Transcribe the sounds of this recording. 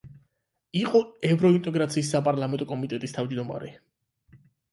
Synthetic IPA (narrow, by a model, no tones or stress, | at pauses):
iqʼɔɛvɾɔint̪ʼɛɡɾat̪sʰiːsːapʼaɾlˠamɛnt̪ʼɔkʼɔmit̪ʼɛt̪ʼist̪ʰavd͡ʒd̪ɔma̰ɾɛ